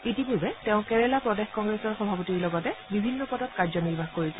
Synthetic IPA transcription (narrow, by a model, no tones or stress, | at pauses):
itipuɹbɛtɛʊ̃kɛɹɛlapɹɔdexkɔŋɡɹɛsɔɹxɔbʱapɔtiɹlɔɡɔtɛbibʱinːɔpɔtɔtkaɹzɔniɹbʱaxkoɹisʊ